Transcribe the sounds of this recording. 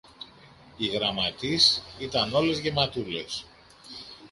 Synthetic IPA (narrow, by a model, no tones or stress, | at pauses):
iɣɾɐmɐt̪isit̪ɐno̞le̞zʝe̞mɐt̪ule̞̰s